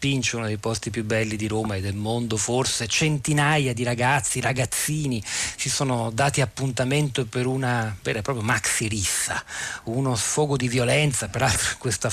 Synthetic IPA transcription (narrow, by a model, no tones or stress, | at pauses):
pint͡ʃeunod̪ejpɔst̪ipjubɛlːid̪iɾoːmaed̪ːelmond̪oforset͡ʃent̪inajad̪iɾaɡat̪sːiɾaɡat̪sːiːnit͡ʃisoːnod̪aːt̪iapːunt̪ament̪opeɾunaveːɾapɾɔːpɾjomaksiɾisːa̰unosfɔːɡod̪ivjolɛnt̪sapeɾalt̪ɾokwest̪a